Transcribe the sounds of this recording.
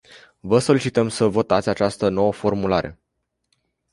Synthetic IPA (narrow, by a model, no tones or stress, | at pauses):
vəso̞lit͡ʃit̪əmsəvo̞t̪at̪sʲat͡ʃast̪əno̞wəfo̞rmulaɾe̞̰